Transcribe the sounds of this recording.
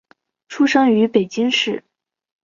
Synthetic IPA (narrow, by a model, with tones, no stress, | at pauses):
ʈ͡ʂʰu˥ʂɤ˥ŋy˧˥pe˨˩ɪt͡ɕi˥ŋʂɻ̩˥˩